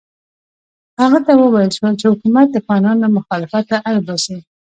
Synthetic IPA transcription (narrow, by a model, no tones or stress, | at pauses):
haɣat̪awəwajəlʃwəlt͡ʃehʊkumat̪̚d̪əafɣɑnɑnamʊxɑlɪfat̪ːaʔalbasi